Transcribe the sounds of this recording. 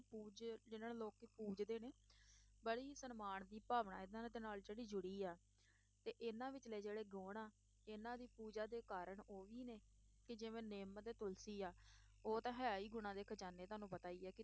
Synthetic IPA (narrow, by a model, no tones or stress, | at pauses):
puːd͡ʒd͡ʒɪnaːloːkipuːd͡ʒd̪eːneːbəɽiːsənmaːɳd̪iːpaːʋɳa̰ːɪd̪ãːd̪eːnaːld͡ʒeːɽiːd͡ʒʊɽiːaː | t̪eːʔɪnãːʋɪt͡ʃleːd͡ʒeːɽeːɡoːɳaː | ɪnãːd̪iːpuːd͡ʒaːd̪eːkaːɾəɳoːʋiːneː | kɪd͡ʒɪʋẽːneːmt̪eːt̪ʊlsiːaː | oːt̪ãːɦɛiːɡʊɽ̃ãːd̪eːkʰət͡ʃaːneːt̪ʊɦaːnũːpət̪aːiːɛːkɪ